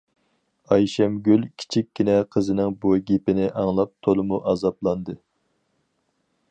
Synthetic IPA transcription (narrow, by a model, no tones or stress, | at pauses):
ɑjʃɛmɡʲylʲkʲʰi̥t͡ʃʰikʲːinɛqʰəzɨnɪŋbuɡʲepɪnɪʔɑŋlˠɑp̚t̪ʰolˠɨmuʔɑzɑplˠɑnd̪ɨ